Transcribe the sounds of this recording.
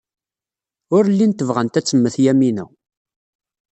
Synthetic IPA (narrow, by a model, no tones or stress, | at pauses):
ʊɾlːint̪əvʁənt̪æt͡sːəmːəθjæminæ̰